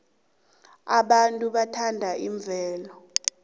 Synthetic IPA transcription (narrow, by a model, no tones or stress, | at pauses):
aɓantʼuɓatʰandʱaiɱb̪vʱɛːlɔ